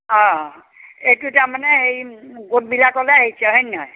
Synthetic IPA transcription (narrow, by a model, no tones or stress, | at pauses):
ɔ̃ | etutaɹmanɛejɡot̚bilakɔlɛaɦisʰɛɦɔnnɔj